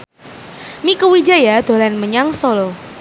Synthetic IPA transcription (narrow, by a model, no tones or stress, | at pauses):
mikuwid͡ʒajad̪̥o̤lanməɲaŋsolo